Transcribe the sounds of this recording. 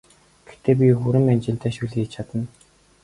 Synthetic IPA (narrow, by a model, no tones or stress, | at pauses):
ɡ̥e̥xt̪eːp̬ʲixuɾɘ̆ŋænʲt͡ɕɪ̆nt̪ʰæːʃuɮĭit͡ɕʰat̪ə̆n